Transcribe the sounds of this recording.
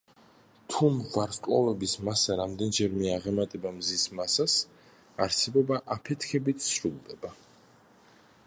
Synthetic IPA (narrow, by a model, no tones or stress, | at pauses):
t̪ʰumvaɾskʼwa̰vɛbismasaɾamd̪ɛnd͡ʒɛɾmɛaʁɛmat̪ʼɛbamzismasas | aɾtsʰɛbɔbaʔapʰɛt̪ʰkʰɛbit̪ʰsɾulˠd̪ɛba